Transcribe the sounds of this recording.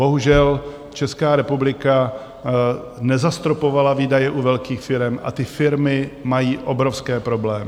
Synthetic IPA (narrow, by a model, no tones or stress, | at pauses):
b̥o̞ɦuʒɛl | t͡ʃɛskaːɾɛpublɪka | nɛzast̪ɾopo̞valaviːdajɛʔuvɛlkiːxfɪɾɛmʔa̰t̪ɪfɪɾmɪmajiːʔo̞bɾofskɛːpɾo̞blɛːmɪ